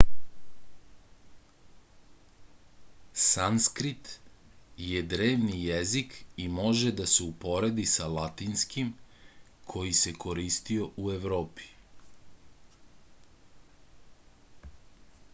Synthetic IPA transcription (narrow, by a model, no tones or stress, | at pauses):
sanskɾit̪ | jed̪ɾe̞ːʋnijezikimo̞ʒed̪aseupo̞ɾe̞d̪isalat̪inskim | kʰo̞jise̞kʰo̞ɾist̪io̞ʔue̞ʋɾo̞ːpi̥